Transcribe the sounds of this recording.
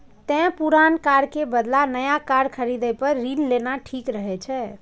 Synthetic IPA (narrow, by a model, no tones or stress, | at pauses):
t̪ɛ̃puɾankaɾkebəd̪lanəjakaɾɖkʰəɾid̪əjpəɾːinlenaʈʰikɾəɦɛt͡ʃʰɛ